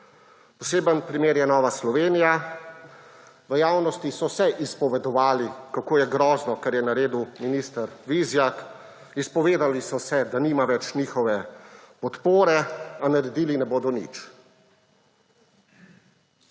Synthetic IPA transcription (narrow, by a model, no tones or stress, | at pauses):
pɔseːbənpɾimeːɾjɛnɔːʋaslɔʋeːnija | ʋəjaːwnɔst̪isɔwsɛʔispɔʋɛd̪ɔʋaːlikakoːjɛɡɾɔːznɔkɛɾjɛnaɾeːd̪uminiːst̪əɾʋizjak | ispɔʋeːd̪alisɔsɛd̪aniːmaʋɛt͡ʃniːxɔʋɛpɔt̪poːɾɛanaɾɛd̪iːlinɛboːd̪ɔnḭt͡ʃ